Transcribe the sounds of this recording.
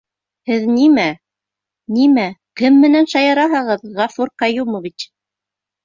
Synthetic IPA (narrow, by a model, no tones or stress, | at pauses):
hɘðnimæ | nimækɘmːɘ̆nænʃɑjɑɾɑɦɤ̆ʁɤðʁɑfuɾqɑjumoβit͡ʃ